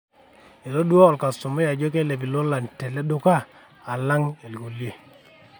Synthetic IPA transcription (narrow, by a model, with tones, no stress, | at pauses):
e˨ɾo˦dwɔ˦ɔ˨lka˨sʊ˨mɔ˦ja˨d͡ʒɔ˦ke˦le˨bi˨lɔ˦la˨ntɛ˨lɛ˦dʊ˦kaː˦˨ | la˦ŋe˨lɡo˨lje˦˨